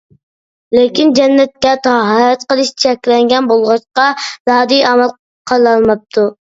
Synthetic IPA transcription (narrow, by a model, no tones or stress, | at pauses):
lekʲind͡ʒɛnːɛt̪̚kʲɛt̪ʰɑɦɑːjɛt̪qəlˠɨʃt͡ʃʰɛkʲlɛŋɡʲɛnbolˠʁɑʃqɑzɑːd̪ijɑmɛlˠ | qʰɑlˠːɑlˠmɑp̚t̪ʰu